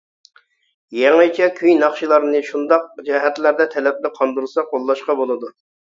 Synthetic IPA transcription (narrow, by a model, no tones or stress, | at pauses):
jɛŋɨt͡ʃʰɛkʲʰyjnɑχʃilˠɑɾnɨʃund̪ɑq̚d͡ʒɛɦɛt̪læɾd̪ɛt̪ʰɛlɛp̚lɪqʰɑnd̪uɾsɑqʰolˠːɑʃqɑbolˠɨd̪u